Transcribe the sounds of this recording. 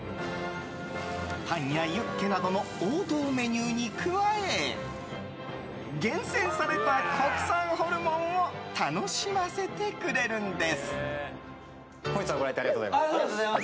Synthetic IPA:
t̪ãɰ̃jajɯkːe̞nad̪o̞no̞oːd̪o̞ːme̞ɲʲɯːɲ̟ikʰɯ̟βae | ɡẽ̞ɰ̃sẽ̞ɰ̃saɾe̞t̪akʰo̞kɯ̟̥sãɰ̃ho̞ɾɯ̟mõ̞ŋ̃o̞t̪ano̞ɕimase̞t̪e̞kɯ̟ɾe̞ɾɯ̟̃nd̪e̞sɨ̥ | kõɲisaɡoɾaiteaɾiɡatozaimaa

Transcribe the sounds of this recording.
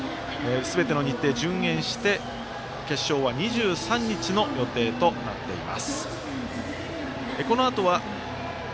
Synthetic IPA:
esɨbe̞t̪e̞noɲ̟it̪ːe̞ːd͡ʑɨ̃ŋ̃ẽ̞ɰ̃ɕi̥t̪e̞ | ke̞ɕːo̞ːβaɲ̟iʑɨːsãɲ̟ːit͡ɕino̞jo̞t̪e̞ːt̪o̞na̰t̪ːe̞̰ḭma̰sɨ̥ | eko̞no̞at̪o̞βa

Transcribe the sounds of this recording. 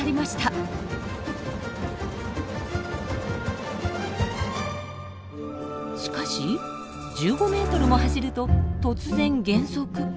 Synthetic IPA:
ɾʲimaɕi̥t̪a | ɕi̥kaɕi | d͡ʑɨːɡo̞me̞ːt̪o̞ɾɯ̟mo̞ɦaɕiɾɯ̟t̪o̞t̪o̞t͡sɨzẽ̞ŋɡẽ̞ɰ̃so̞kɯ̟

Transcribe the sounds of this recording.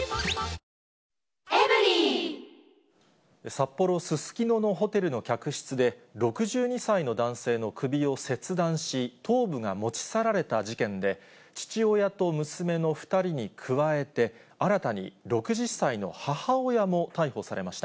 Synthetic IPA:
ei | esapːo̞ɾo̞sɨsɨ̥kʲino̞no̞ɦo̞t̪e̞ɾɯ̟no̞kʲakɯ̟ɕi̥t͡sɨd̪e̞ɾo̞kɯ̟ʑɨːɲ̟isaino̞d̪ãɰ̃se̞ːno̞kʰɯ̟bʲio̞se̞t͡sɨd̪ãɰ̃ɕit̪ʰo̞ːbɯ̟ŋamo̞t͡ɕi̥saɾaɾe̞t̪ad͡ʑikẽ̞nd̪e̞ | t͡ɕi̥t͡ɕio̞jat̪o̞mɯ̟sɨme̞no̞ɸɯ̥t̪aɾʲiɲ̟ikʰɯ̟βae̞t̪e̞ | aɾat̪aɲ̟ḭɾo̞kɯ̟ʑisaino̞̰hahaojamo̞t̪aiho̞saɾe̞̰maɕi̥t̪a

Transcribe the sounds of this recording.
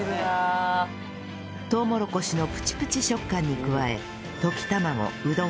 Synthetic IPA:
t̪o̞ːmo̞ɾo̞ko̞ɕino̞pɯ̟̥t͡ɕi̥pɯ̟̥t͡ɕiɕo̞kːãɲ̟ːikɯ̟βae̞̰ | t̪o̞kʲi̥t̪amaŋo̞̰ɯ̟d̪o

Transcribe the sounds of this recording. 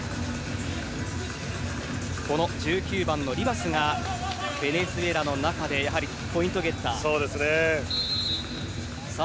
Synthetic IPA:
ko̞no̞d͡ʑɨːkʲɨːbãnːo̞ɾʲibasɨŋa | b̥e̞ne̞sɨe̞ɾano̞nakad̪e̞jaɦaɾʲi | po̞ĩnt̪o̞ɡe̞t̪ːa̰so̞ːd̪e̞sɨne | sa

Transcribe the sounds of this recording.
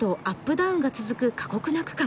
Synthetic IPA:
t̪o̞ʔapːɯ̟d̪aɯ̟̃ŋɡat͡sɨzɨkɯ̟kʰḁko̞kɯ̟nakɯ̥kã

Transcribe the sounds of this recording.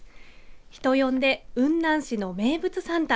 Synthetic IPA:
çi̥t̪o̞jõ̞nd̪e̞ɯ̟̃nd̪ãɰ̃ɕino̞me̞ːbɯ̟t͡sɨsãnt̪a

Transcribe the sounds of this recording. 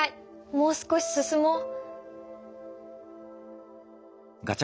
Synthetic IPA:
ai | moːsɨ̥koɕi̥sɨsɨmo | ɡat͡ɕ

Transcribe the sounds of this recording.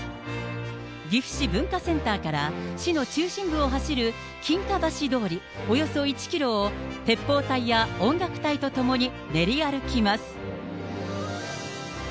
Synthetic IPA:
ɡʲiɸɯ̟̥ɕibɯ̟̃ŋkasẽ̞nt̪aːkaɾaɕino̞t͡ɕɨːɕĩmbɯ̟o̞ɦaɕiɾɯ̟ | kʲĩŋkabaɕid̪o̞ːɾʲi | o̞jo̞so̞it͡ɕi̥kʲiɾo̞ːt̪e̞pːo̞ːt̪aijaõ̞ŋɡakɯ̟̥t̪ait̪o̞t̪o̞mo̞ɲ̟i | ne̞ɾʲiaɾɯ̟kʲimasɨ̥

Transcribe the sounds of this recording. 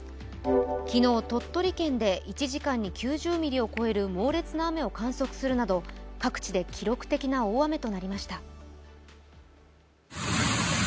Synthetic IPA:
kʲino̞ːt̪o̞t̪ːo̞ɾʲikẽ̞nd̪e̞it͡ɕiʑikãɲ̟ːikʲɨːʑɨːmʲiɾʲio̞ko̞e̞ɾɯ̟mo̞ːɾe̞t͡sɨnaːme̞o̞kãɰ̃so̞kɯ̟̥sɨɾɯ̟nad̪o̞kakɯ̟̥t͡ɕid̪e̞kʲiɾo̞kɯ̟̥t̪e̞kʲinao̞ːame̞t̪o̞naɾʲimaɕi̥t̪a

